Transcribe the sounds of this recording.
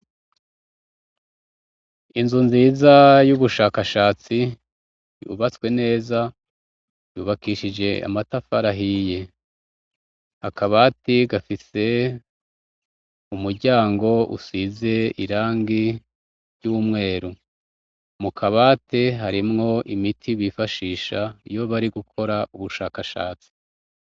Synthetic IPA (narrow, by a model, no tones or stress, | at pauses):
inzunziːzajuβuʃaːkaʃaːt͡si | ṵβat͡swe̞ne̞ːza | juːβakiʃid͡ʒe̞a̰matafaɾaɦije̞ | hakaβaːtiɡafise̞ | umuɾɟaːŋɡo̞ʔṵsize̞iɾaːŋɡi | ɾɟumŋe̞ːɾu | mukʰaβaːteɦaɾimŋo̞ʔimitʰiβifaʃiːʃajo̞βaɾiɡukʰo̞ɾauβuʃaːkaʃa̰ːt͡si̥